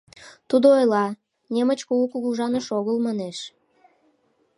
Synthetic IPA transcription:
t̪ud̪oojlɑ | nemət͡ɕkoukuɣuʒɑnəʃoɣəlmɑneʃ

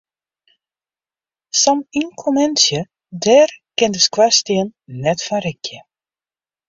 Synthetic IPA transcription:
sɑmiŋkʰomɛnsjə | dɛrkɛndəskwastiənːɛtfaɾɪkjə

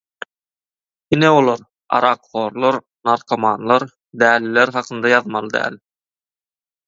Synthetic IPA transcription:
ineolˠɑɾ | ɑ̰ɾɑqχo̞ːɾlˠoɾ | nɑɾqʰɑmɑːnlˠɑɾ | d̪æːlːileɾχɑqʰɯnd̪ɑjɑðmɑlˠɯd̪æ̰ːl

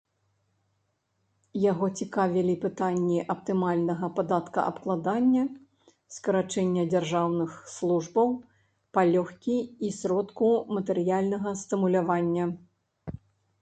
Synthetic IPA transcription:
jaɣɔt͡sʲikavʲilʲipɨt̪anʲːiʔɐp̚t̪ɨmalʲnɐɣɐpad̪at̪kɐʔɐ̰pklˠad̪anʲːɐ | skɐɾat͡ʂɛnʲːɐd͡zʲarʐawnɨxslˠuʐbɐw | palʲɔxkʲiisɾɔt̪kumɐt̪ɛɾɨjalʲnɐɣɐst̪ɨmulʲavanʲːɐ

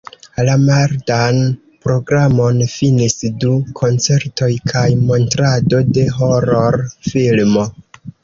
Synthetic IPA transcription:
lamaɾdan | pɾo̞ɡɾamo̞nfinisdukʰo̞nt͡se̞ɾto̞jkʰajmo̞ntɾado̞de̞ɦoɾoɾfilmo̞

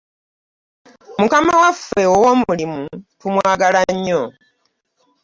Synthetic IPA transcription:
mukamawafe̞owomulimupumwaːɡalaɲːo

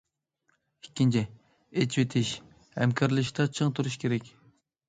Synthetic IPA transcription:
ikʲːint͡ʃʰi | et͡ʃwet̪ʰɪʃ | hɛ̰mkʲʰɑɾlˠɨʃt̪ʰɑt͡ʃʰɨŋt̪ʰuɾuʃkʲʰeɾɛkʲ

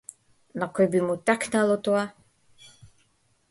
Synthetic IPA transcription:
nakɔjbimut̪aknalˠot̪oa

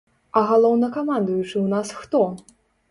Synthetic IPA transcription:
ɐɣalˠɔwnɐkamand̪ujut͡ʂɨwnasxt̪ɔ

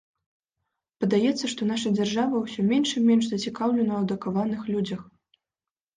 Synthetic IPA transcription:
pɐd̪ajɛt̪sːɐʂt̪ɔnaʂɐd͡zʲarʐavɐwsʲɔmʲɛnʂimʲɛnʂzɐt͡sʲikawlʲɛnɐːd̪ɐkavanɨxlʲud͡zʲɐx

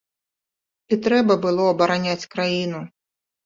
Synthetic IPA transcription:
it̪ɾɛbɐbɨlˠɔɐbɐɾanʲat͡sʲkɾajinu

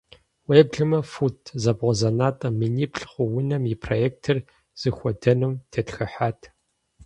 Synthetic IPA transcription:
webɮɨmɐfutʰzɐbʁʷɔzɐnaːtʼɐminiːpʰɬχʷʊwʊnɐmjɪpʰrojeːk̚tʰɨr | z̥ɨxʷɔdɐnɨmtʰeːtxɐħaːtʰ

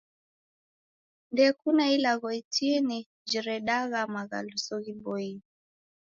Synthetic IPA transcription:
ndɛkunailaɣɔitini | d͡ʒiɾɛɗaɣamaɣa̰lusɔɣibɔi

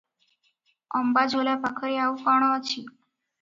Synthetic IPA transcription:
əmbad͡zʱoljapakʰəɾiaukɔɳ̃ɔət͡ɕiː

